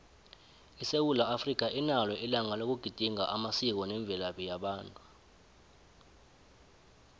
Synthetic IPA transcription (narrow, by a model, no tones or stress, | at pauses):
isewulaafrik̬ʼaʔinalwɛʔilaŋalok̬uɡ̥ʱid̥ʱiŋaʔamasik̬ɔnɛɱb̪vʱɛlaɓɛjaɓaːntʼu